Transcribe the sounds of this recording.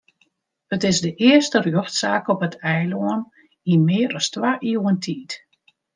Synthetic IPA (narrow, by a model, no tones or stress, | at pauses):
ətɪsdəʔɪəstərjoxtsaːkɔpətʰɛjloən | inmɪːəɾɔstwaʔiwəntʰiːt